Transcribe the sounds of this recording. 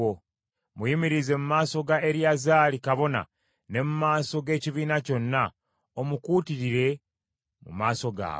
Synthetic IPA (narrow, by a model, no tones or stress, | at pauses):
o | mujimiɾize̞mumaːso̞ɡaeɾjazaːlikaβo̞na̰ | ne̞mumaːso̞ɡe̞ːciβiːnaco̞nːa | omukuːtiɾiɾe̞ | mṵmaːso̞ɡa̰ː